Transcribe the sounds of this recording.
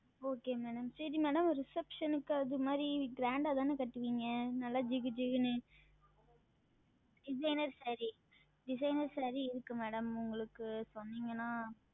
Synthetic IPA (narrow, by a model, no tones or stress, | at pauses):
oːkeːmɛːɽɐmsɐɾimɛːɽɐmɾɪsɛpʂɐnɯkːɯɐðɯmaːd̪ɾiɡɾaːɳɖat̪aːnɯkɐʈːɯʋiːŋɡɐnɐlːaːd͡ʒɪɡɯd͡ʒɪɣɯnɯ | ɖɪsɐɪnɐɾsɐɾi | ɖɪs̬ɐɪnɐɾsɐːɾiɪɾɯkːɯmɛːɽɐmʊŋɡɐɭɯkːɯsɔnːiŋɡɐnãː